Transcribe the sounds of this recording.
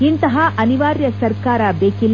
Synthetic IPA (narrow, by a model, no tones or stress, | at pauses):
int̪ɐɦɐʔɐniʋaːɾjɐsɐɾkaːɾɐbeːkil